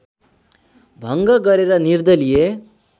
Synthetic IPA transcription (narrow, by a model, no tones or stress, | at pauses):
bʱəŋɡɐɡəɾeɾaniɾd̪əlije